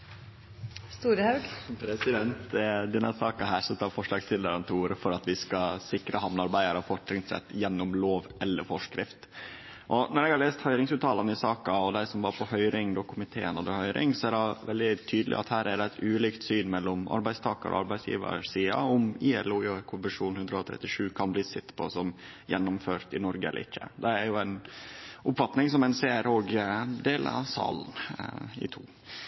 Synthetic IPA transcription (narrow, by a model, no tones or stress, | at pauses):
st̪uːɾəhɑʉɡpʰɾɛsɪd̪ɛnt̪d̪ɛnːɑsɑːkɑɦæːʂɛt̪ːɑʋfɔʂlɑːɡst̪ɪld̪əɾənt̪ʰuːɾfɔɾɑt̪ʋɪskɑsɪkɾəhɑmnɑɾbæɪd̪əɾɑfɔʈɾɪŋsɛ̰t̪ːjɛnːɔmloːʋɛlːəɾfɔʂkɾɪft̪ | ʔɔnɔɾɛɡhɑɾlɭeːst̪hœʏɾɪŋsʉːt̪ʰɑːlɑnəɪsɑːkɑɔd̪æɪsɔmʋɑɾpʰɔhœʏɾɪŋd̪oːkʰʊmɪt̪ʰeːənɑd̪ɛhœʏɾɪ̰ŋsɔæɖɑʋɛld̪ɪt̪ʰyːd̪lɪ̰ʔɑ̰t̪hæːɾæɖɛæt̪ʉːliːkt̪syːnmɛlːɔmɑ̰ɾbæɪst̪ʰɑːkɑɾɔ̰ʔɑ̰ɾbæɪsjḭːʋə̰siːɑ̰ʊmiːɛ̰luːʊkʰʊnbɛʂuːnhʉnd̪ɾəɔt̪ʰɾɛ̰t̪ːɪʂʉːkʰɑnbliːsɪt̪ːpʰɔsɔm | jɛnːʊmføːɾt̪ɪnɔɾɡəɛ̰lə̰ɾɪçːə̰d̪ɛæɾjʊæɪnʔʊpfɑt̪nɪŋsɔmɛɪnseːæɾoːɡd̪eːlə̰ɾɑ̰sɑ̰ːln̩ɪ̰t̪ʰṵː